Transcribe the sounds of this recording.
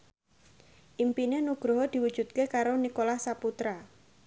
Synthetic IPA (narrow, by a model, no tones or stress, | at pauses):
ʔimpinenuɡ̥ɾɔɦɔd̪̥i̤wud̥ʒ̥ut̪̚kekaɾonikolahsaput̪ɾa